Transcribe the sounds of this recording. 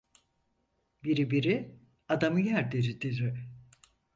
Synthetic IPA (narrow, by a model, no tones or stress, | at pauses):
biɾibiɾi | ad̪amɯjæɾd̪iɾid̪iɾɪ